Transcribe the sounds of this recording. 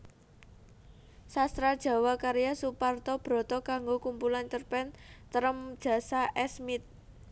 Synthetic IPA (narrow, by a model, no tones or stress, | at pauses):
sast̪ɾad̥ʒ̥ä̤wakaɾijasupart̪ɔb̥ɾɔ̤t̪ɔkaŋɡokumpulant͡ʃərpɛnt̪əɾəmd̥ʒ̥ä̤saʔɛsmit̪̚